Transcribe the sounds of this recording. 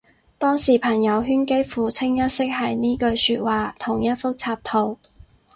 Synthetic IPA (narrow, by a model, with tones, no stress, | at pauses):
t̪ɔː˥ŋsiː˨˩pʰɐ˨˩ŋjɐ˨˧wɦyː˥nke˥jfuː˨t͡sʰɪ˥ŋjɐ˥t̚sɪ˥k̚hɐ˨jniː˥kɵ˧ɥsyː˧t̚waː˨t̪ʰʊ˨˩ŋjɐ˥t̚fʊ˥k̚t͡sʰaː˧p̚t̪ʰo˨˩w